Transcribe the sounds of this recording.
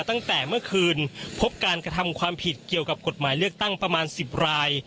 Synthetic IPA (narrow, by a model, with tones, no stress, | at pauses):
t̪a˥˩ŋt̪ɛː˨˩mɯ˥˩ɐkʰɯː˧npʰo˦˥p̚kaː˧nkɾa˧t̪ʰa˧mkʰwaː˧mpʰi˨˩t̪̚ki˨˩əwka˨˩p̚ko˨˩t̪̚maː˩˦jlɯ˥˩ək̚t̪a˥˩ŋpɾa˧maː˧nsi˨˩p̚ɾaː˧j